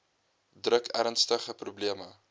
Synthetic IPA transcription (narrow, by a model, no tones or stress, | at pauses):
drəkʰæɾənstəχəprubliəmə